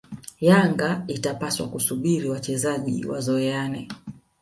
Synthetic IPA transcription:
jaŋɡaitapaswa̰kusuɓiɾiwat͡ʃɛzaʄḭwa̰zɔɛanɛ

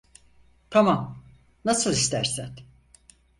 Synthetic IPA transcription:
t̪ʰamam | nasɯlˠist̪ʰæɾsæn

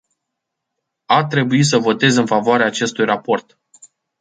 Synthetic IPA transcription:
at̪ɾe̞buis̬əvo̞t̪e̞zɨnfavoaɾeaːt͡ʃe̞st̪ujrapo̞rt̪

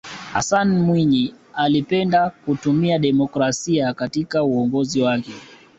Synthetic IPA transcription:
ha̰sanmwiɲi | alipɛndakutumiaɗɛmɔkɾasiakatikauɔŋɡɔziwakɛ

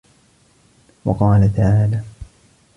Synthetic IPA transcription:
wɑqɑːlat̪aʕaːlaː

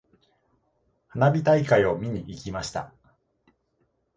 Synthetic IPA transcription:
hanabʲit̪aikaio̞mʲiɲ̟iʔikʲimaɕi̥t̪a̰

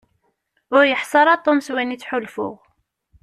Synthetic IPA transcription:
ʊɾjəħsˤɑɾˤɑt̪ˤːomswænit͡sːħʊlfʊ̰ʁ

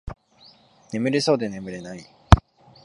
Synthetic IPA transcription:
ne̞mɯ̟ɾeso̞ːd̪e̞ne̞mɯ̟ɾe̞nai

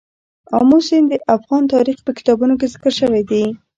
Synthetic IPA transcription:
ɑ̰musɪnd̪əʔafɣɑnt̪ɑɾixpəkɪ̥t̪ɑbunok̬ezɪkəɾʃəwed̪e

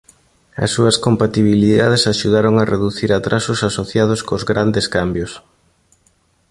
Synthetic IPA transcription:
ɐ̰sːuɐskompat̪iβ̞iliðað̞esaʃuðaɾoŋareðuθiɾat̪ɾasʊsasoθjað̞ʊskozɣɾand̪eskambjʊs

